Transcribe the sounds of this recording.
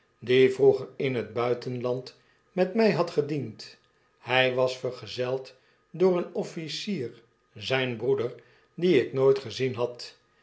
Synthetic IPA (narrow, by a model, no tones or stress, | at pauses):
divruχəɹɪnɦəd̚bœɥtənlɑnt | mɛtmɛjɦɑtχədint | hɛjʋɑsfəɹχəzɛlˠt | dʊːɾənɔfisiːr | zɛjnbrudəɹ | diɪknojtχəzinɦɑt